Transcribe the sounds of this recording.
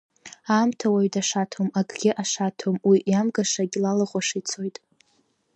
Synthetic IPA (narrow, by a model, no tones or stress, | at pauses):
amtʰawaɥtʰʼaʂatʰomaɡʰʼɡʲɪʔaʂatʰomwiʔjamɡaʂaɡʲlalɨχʷʼaʂit͡sʰojtʼ